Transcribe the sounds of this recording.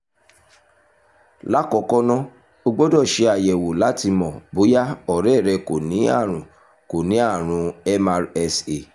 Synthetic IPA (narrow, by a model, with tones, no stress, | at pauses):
la˨˦kɔ˧˦kɔ˦nɔ̃˦ | o˧ɡ͡bo˦dɔ˦˨ʃe˨˧˦a˨jɛ˨wo˨la˨˦ti˧mɔ̃˨bo˨˦ja˦ɔ˨ɾɛ˦˨ɾɛ˧ko˨nĩ˨˦a̰˦˨ɾ̃ũ˨ | ko˨nĩ˨˦a˦˨ɾ̃ũ˨˧ɛ˦ma˧ɾɛ˧se˨